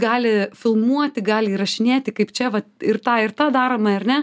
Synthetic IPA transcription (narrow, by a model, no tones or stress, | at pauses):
ɡɑːlʲɪfʲɪlˠmuɔt̪ʲɪɡɑːlʲɪiːɾɐʃʲɪnʲeːt̪ʲɪkɐɪpt͡ʃʲɛʋɐtɪrt̪ɑːɪrt̪ɑːd̪ɑːɾoːmɐɐrʲnʲɛ